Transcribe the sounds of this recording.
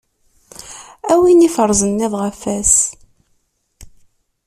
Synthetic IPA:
æwinifəɾˤzənːæðʁəfæs

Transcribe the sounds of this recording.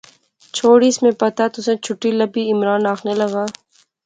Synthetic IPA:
t͡ʃʰoːɽismẽpɐt̪at̪ʊsẽt͡ʃʰʊʈːilɐbiɪmɾaːnaːxnelɐɡaː

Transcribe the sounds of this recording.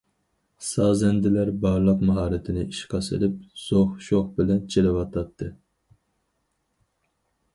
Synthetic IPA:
sɑːzɛnd̪ɪlæɾbɑɾlˠəqmɑɦɑːɾɪt̪ʰɪnɪiʃqʰɑsɨ̰lɪp̚z̥oχʃoχbɪlɛnt͡ʃʰelɪwɑt̪ʰɑt̪ʰːɨ

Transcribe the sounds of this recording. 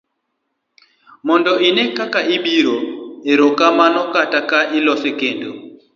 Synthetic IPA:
mɔndɔʔinekakaʔiɓiɾoeɾokamanɔkatakaʔilɔsɛkendo

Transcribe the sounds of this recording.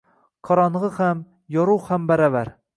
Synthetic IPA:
qʰɒɾɒnʁɨham | jɒɾuwhambaɾavaɾ

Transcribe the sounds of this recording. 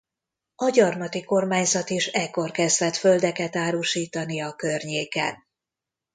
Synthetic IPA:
ɒɟɒrmɒt̪iko̞rmaːɲzɒt̪iʃɛkːo̞rkɛzd̪ɛt̪fø̞ld̪ɛkɛt̪aːɾuːʃiːt̪ɒnijɒkørɲeːkɛ̰n

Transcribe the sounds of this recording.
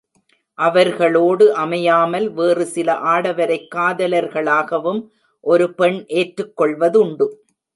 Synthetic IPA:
ʔɐʋɐɾɣɐɭoːɽɯʔɐmɐjaːmɐlʋeːrɯsɪlɐʔaːɽɐʋɐɾɐɪkːaːðɐlɐɾɣɐɭaːɣɐʋɯm | ʔɔɾɯpɛɳʔeːʈɾɯkːɔɭʋɐðʊɳɖɯ

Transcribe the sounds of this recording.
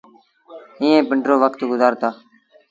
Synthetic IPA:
ĩːẽːpɪɳʈɾoːʋəkt̪ɡʊzaːɾt̪aː

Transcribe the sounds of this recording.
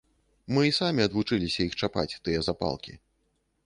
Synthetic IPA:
mɨisamʲiɐd̪vut͡ʂɨlʲisʲɐixt͡ʂapa̰t͡sʲt̪ɨjɐzapa̰lˠkʲḭ

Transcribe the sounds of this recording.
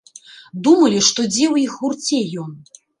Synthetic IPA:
d̪umɐlʲiʂt̪ɔd͡zʲɛwjixɣurt͡sʲɛjɔn

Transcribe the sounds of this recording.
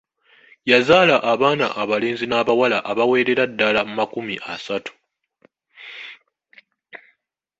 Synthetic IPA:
jazaːlaʔaβaːna̰ʔaβale̞ːnzinaːβawalaʔaβawe̞ːɾe̞ɾadːalamumakumiʔasatu̥

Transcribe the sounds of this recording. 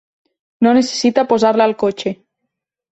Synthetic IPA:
nonese̥sit̪apozaɾlaːlkot͡ʃe

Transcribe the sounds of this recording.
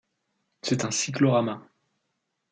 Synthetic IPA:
sɛt̪ɛ̃siklɔʁama

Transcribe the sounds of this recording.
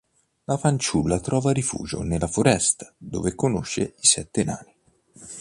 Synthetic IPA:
lafant͡ʃulːat̪ɾɔːvaɾifṵːd͡ʒo̰nelːafoɾɛst̪ḁd̪o̰ːvekonoʃːeisɛt̪ːena̰ːni

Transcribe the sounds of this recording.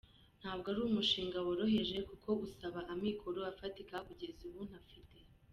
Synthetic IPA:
n̥haːb̚ɡaɾuːumuʃiːŋɡawaɾo̞ɦe̞ʒe̞kukʰo̞usaβaʔamikʰo̞ɾoafatikakuɟezuβun̥hafite̞

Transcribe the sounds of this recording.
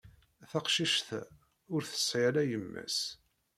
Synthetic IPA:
θæqʃiʃθæ | ʊɾθə̥sʕalæjəmːæ̰s

